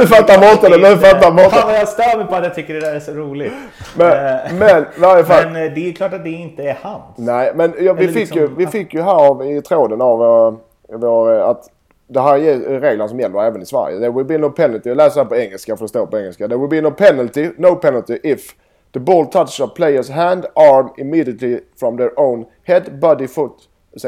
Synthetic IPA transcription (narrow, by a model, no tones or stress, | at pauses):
fat̪ːaɾmɔt̪ːad̪ɛmɛfat̪ːaɾmɔt̪ːjɑst̪œːmɛpʰɔat̪jɑt̪ʰʏkːəɖɛd̪æːɾæʂɔɾuːlɪmɛmɛnɪvaɾjəfalnd̪ɛkʰlɑːʈat̪̚d̪ɛɪnt̪əːhannæɪmɛnjɑvɪfɪkkːjɵvɪfɪkːjɵɦæːɾɑvɪt̪ʰɾoːd̪ənav | voːɾat̪ | d̪ɛɦæːɾjɛɾeːɡlənasɔmjɛlːəɾɛːvənɪsvæ̰ɾjə̰d̪ɛwɪlbinoʊpʰɛnalt̪ɪjɑlɛːsəhæːpɔɛŋːəlskafəd̪ɛst̪oːpɔɛŋːɛlskad̪ɛwɪlbinoʊpʰɛnəlt̪ɪnoʊpʰɛnəlt̪ɪʔɪf | ðəbɔːlˠt̪ʰʌt͡ʃɔpʰleɪə˞sɦæ̃nd̪ɑɹmɪmiːd̪ɪət̪lɪfɹɔ̃mðəɹʔõʊ̃n | hɛd̪bɑd̪ɪfʊt̪ | s